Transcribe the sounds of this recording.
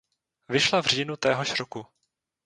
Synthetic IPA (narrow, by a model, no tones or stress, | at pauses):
vɪʃlavr̝iːnut̪ɛːɦoʃɾoku